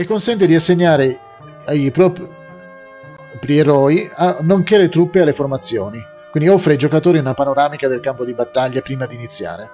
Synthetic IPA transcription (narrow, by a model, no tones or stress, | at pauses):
ekːonsɛnt̪̬ed̪iasːeɲːaːɾe | ajpɾɔp | pɾieɾɔːianːoŋkelet̪ɾupːealːeformat̪sːjɔːni | kwind̪iɔfːɾejd͡ʒokat̪oːɾiunapanoɾaːmikad̪elkampod̪ibat̪ːaʎːapɾiːmad̪iːnit̪sːja̰ːɾe